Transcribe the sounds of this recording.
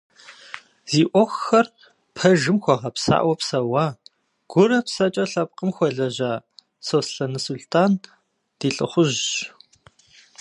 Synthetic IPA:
z̥iːʔʷɔxːɐr | pʰɐʒɨmxʷɔʁɐpsa̰ːʔwʷɔpsɐwaː | ɡ̥ʷʊɾɐpsɐt͡ʃʼɐɬɐp̚qʼəmxʷɔɮɐʑaː | sosɬɐnɨsuɬtʰaːn | d̥iːɬʼɨ̰χʷʊʑ

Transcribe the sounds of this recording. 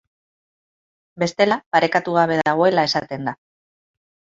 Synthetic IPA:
be̞st̪e̞lapaɾe̞kat̪uɣ̞aβ̞e̞ðaɣ̞o̞e̞lae̞sat̪e̞nd̪a

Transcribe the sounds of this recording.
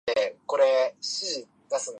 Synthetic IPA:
eko̞ɾeɕiʑi | d̪asɨ̃n

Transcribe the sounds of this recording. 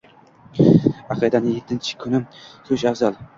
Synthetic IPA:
ɑqʰɨd̪anɪjet̪ʰːɪnt͡ʃʰɪ̥kʰʊnɪsʊʃafzalˠ

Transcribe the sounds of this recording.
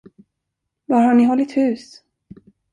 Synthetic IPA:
vaɾhaɳɪɦɔlːɪt̪hʉ̟ːs

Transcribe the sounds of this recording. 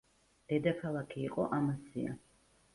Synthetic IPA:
d̪̥ɛd̪akʰalˠakʰiːqʼɔʔamasḭa̰

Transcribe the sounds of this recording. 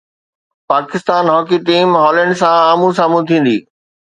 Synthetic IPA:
paːkɪst̪aːnɦɔːkiʈiːmɦɔːlə̃ɳɖsãaːmũs̬aːmũt̪ʰĩːn̆d̪iː

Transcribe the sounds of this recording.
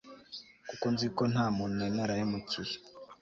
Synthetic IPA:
kukonzikon̥aːmunuenaɾajemut͡suɾi

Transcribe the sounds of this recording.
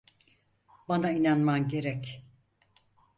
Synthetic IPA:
banainanmanɟe̞ɾɛc

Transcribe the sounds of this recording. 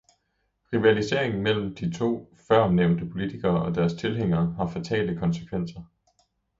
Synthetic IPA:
ʁiʋælise̝̰ɐ̰e̝ŋn̩mel̰m̩d̥it͡sʰo̝̰ː | fɶɐ̰neʊ̰nd̥əpʰo̝lit͡sʰiɡ̥ɐːʔɒ̽d̥æɐst͡sʰe̝lɦeŋ̰ɐːɦɑ̈fæt͡sʰɛ̰ːld̥əkʰɒ̽nsə̥kʰʋen̰sɐ

